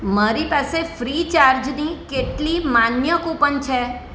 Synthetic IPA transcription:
maɾipasefɾit͡ʃaɾd͡ʒnikeʈlimanjəkũpəɳt͡ʃʰe

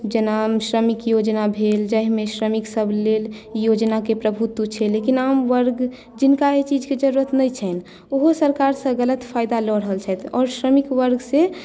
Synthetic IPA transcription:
d͡ʒənamʃɾəmikjod͡ʒnabʱeld͡ʒəɦmẽʃɾəmiksəbʱleljod͡ʒnakepɾəbʱut̪wət͡ʃʰelekinamʋəɾɡ | d͡ʒɪnkaet͡ʃid͡ʒked͡ʒəɾuɾət̪nəjt͡ʃʰɛn | oɦosəɾkaɾsə̃ɡələt̪pʰaːɪd̪alɔɽɦəlt͡ʃʰɛt̪ʰɔːɾʃɾəmikʋəɾɡse

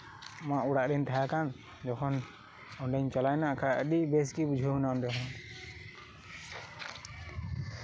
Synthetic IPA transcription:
maʔuɽaʔɾɛnt̪ʰajakan | d͡ʒɔkʰɔn | ɔɳɖɛɲt͡ʃalajnaʔkʰaəɗibeskibud͡ʒʱənaɔɳɖɛɦɔn

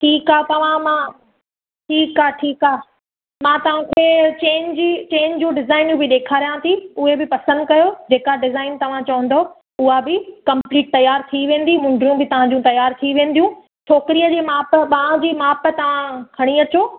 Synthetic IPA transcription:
ʈʰiːkaːt̪ɐʋ̤ãmãː | ʈʰiːkaːʈʰiːkaː | mãːt̪ɐʋ̤ãkʰet͡ɕeːɲd͡ʑit͡ɕeːɲd͡ʑũɖɪzaːɪnjũbɪɗeːkʰaːɾijãt̪ʰiʊɦebɪpɐsə̃nd̪kɐjod͡ʑeːkaɖɪzaːɪnt̪ɐʋ̤ãt͡ɕɐʋə̃nd̪o | ʊɦabɪkɐ̃mpliːʈ̚t̪ɐjːaːɾt̪ʰiʋẽːn̆d̪imʊ̃ɳɖɾjũbɪt̪ɐʋ̤ãd͡ʑũt̪ɐjaːɾt̪ʰiʋẽːn̆d̪ijũː | t͡ɕʰoːkɪɾijəd͡ʑeːmaːpɓɐãd͡ʑiːmaːpt̪ɐʋ̤ãkʰɐɽ̃iɐt͡ɕoː

